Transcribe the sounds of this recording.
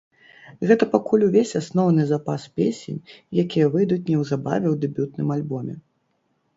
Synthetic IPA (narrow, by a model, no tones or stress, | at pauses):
ɣɛt̪ɐpakulʲuvʲesʲasnɔwnɨzapaspʲesʲɛ̰nʲjakʲijɐvɨjd̪ut͡sʲnʲɛwzaba̰vʲɛwd̪ɨbʲut̪̚nɨmalʲbɔmʲɛ̰